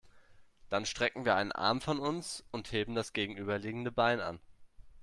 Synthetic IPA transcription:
d̥anʃtʁ̥ɛkŋ̩viːɐʔaɪnə̰nʔa̰ɐmfɔnʊnsʊntheːbm̩dasɡ̥eːɡŋ̩ʔyːbɐliːɡŋ̩dəbaɪna̰n

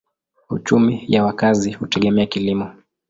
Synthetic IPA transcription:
ṵt͡ʃumijawakazihutɛɠɛmɛakilimɔ

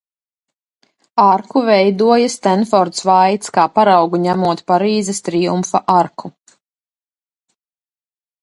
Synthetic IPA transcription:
aɾkuvɛjd̪uɔjast̪ɛnfɔɾt̪svajt̪skaːpaɾɑwɡuɲæmuɔt̪paɾiːzɛst̪ɾijumfaʔaɾkʰu

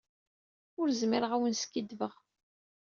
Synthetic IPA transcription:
ʊɾzmiɾəʁæwənskːid̪vəʁ

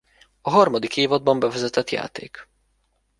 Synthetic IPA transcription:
ɒɦɒrmɒd̪ikeːvɒd̪̚bɒmbɛvɛzɛt̪ɛt̪ja̰ːt̪ḛːk

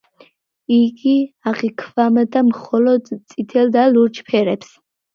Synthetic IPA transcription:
iɡiaʁikʰvamad̪amχɔlɔd̪t̪sʼit̪ʰɛld̪aluɾt͡ʃʰpʰɛɾɛps

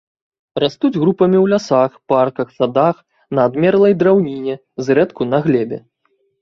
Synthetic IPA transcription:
rast̪ud͡zʲɣɾupɐmʲiwlʲasaxparkɐxsad̪ax | nɐːd̪mʲɛrlˠɐjd̪ɾawnʲinʲɛ | zrɛt̪kunɐɣlʲɛbʲɛ̰

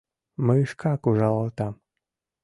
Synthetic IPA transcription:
məəʃkʰɑkuʒɑlɑlˠt̪ɑm

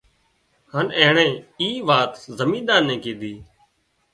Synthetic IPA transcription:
haːneːɳẽːiːʋaːt̪zəmĩːd̪aːnːẽːkẽːd̪ʱiː

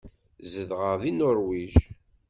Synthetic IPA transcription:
zəðʁəʁðinʊɾwiʒ

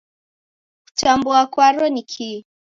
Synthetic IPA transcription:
ku̥tambuakwaɾɔnikʰi

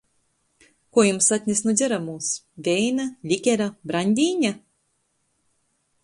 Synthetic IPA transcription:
kuɔjumsat̪ʲnʲɛsnud̪zʲɛɾamuːs | vʲɛjnalʲikʲɛɾabɾanʲd̪ʲiːɲʲa

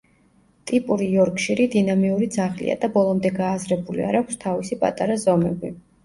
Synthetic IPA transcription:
t̪ʼipʼuɾijɔɾkʼʃiɾid̪inamiuɾid̪zaχlḭa̰d̪abɔlˠɔmd̪ɛɡaːzɾɛbulḭa̰ɾakʰʷst̪ʰavisipʼa̰t̪ʼaɾazɔmɛbi

